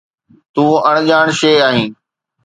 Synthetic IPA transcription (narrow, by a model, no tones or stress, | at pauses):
t̪ũːəɳ̃ʄaːɳʃeːaːɦĩː